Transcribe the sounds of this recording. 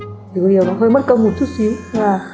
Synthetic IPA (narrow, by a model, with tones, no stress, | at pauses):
zɨ˨˩ɗi˨˩əwnɔ˨˦ɦəː˧jmə˦˥t̚kə˧wŋ͡mmu˨˩t̚t͡ɕʰu˦˥t̚si˨˦wvaː˨˩